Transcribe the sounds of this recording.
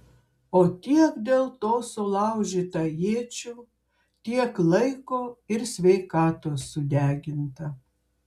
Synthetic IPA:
oːt̪ʲiɛkd̪ʲeːlˠt̪oːsʊlˠɑˑʊʒʲiːt̪ɐjeːt͡ʃʲuː | t̪ʲiɛklˠɐɪkoːɪɾsʲʋʲɛɪkɑːt̪oːsːʊd̪ʲæːɡʲɪnt̪ɐ

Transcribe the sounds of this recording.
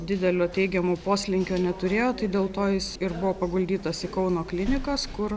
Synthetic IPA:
d̪ʲɪd̪ʲɛlʲoːt̪ʲɛɪɡʲɛmuːpoːsʲlʲɪŋʲkʲoːnʲɛt̪ʊɾʲeːjoːt̪ɐɪd̪ʲeːlˠt̪oːjɪsɪɾbʊʋoːpɐɡʊlʲd̪ʲiːt̪ɐsɪkɐʊnoːklʲɪnʲɪkɐskʊɾ

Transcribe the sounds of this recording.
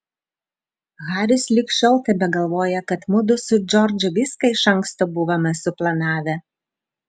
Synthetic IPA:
ɣɑːɾʲʊslʲɪkʃʲɔlˠt̪ʲɛbʲɛɡɐlˠʋoːjɛkɐt̪mʊd̪ʊsʊd͡ʒʲɔɾʲd͡ʒʲʊʋʲɪskɐɪʃɐŋkst̪ɔbʊʋɐmʲɐsʊplˠɐnɑːʋʲɛ

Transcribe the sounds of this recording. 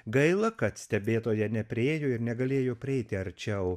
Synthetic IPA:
ɡɐɪlˠɐkɐt̪sʲt̪ʲɛbʲeːt̪oːjɛnʲɛpʲɾʲɪeːjoːɪɾnʲɛɡɐlʲeːjoːpʲɾʲɪɛɪt̪ʲɪɐɾʲt͡ʃʲɛʊ

